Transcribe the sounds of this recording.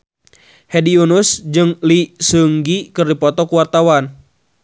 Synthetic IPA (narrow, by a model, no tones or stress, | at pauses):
hediunusd͡ʒɨŋlisəŋɡikɨrdipɔt̪ɔkuwart̪awan